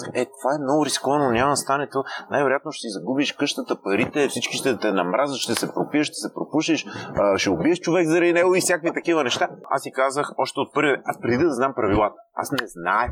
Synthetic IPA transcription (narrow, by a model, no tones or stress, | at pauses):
ɛt̪ovaɛmnɔɡʊɾizi̥kɔvɐnonʲamst̪anɛt̪onajvɛɾojat̪noʃɛ̥t̪izɐɡubiʃkɤʃt̪ət̪əpɐɾit̪ɛfsit͡ʃkiʃt̪ɛt̪ɛnɐmɾʔazəʃʃt̪ɛsɛpɾopiəʃt̪ɛ̥sɛpɾopuʃiʃʃɛobiɛʃt͡ʃovɛɡzɐɾɛjnɛɡoifsjakvit̪ɐkivənɛʃt̪aa̰sikazəxɔʃt̪ɛot̪̚pɤɾviɛaspɾɛd̪id̪d̪ɐzampɾɐvilˠat̪ə̥a̰snɛzna̰ɛ